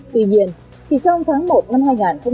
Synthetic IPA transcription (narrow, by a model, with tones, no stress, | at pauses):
t̪i˧˨˩ɲḭ˧˩ən | t͡ɕʰi˧˨˩t͡ɕɔ˧wŋ͡mt̪ʰaː˨˦ŋmo˨˩t̚na˧mɦaː˧jŋaː˨˩nxə˧wŋ͡m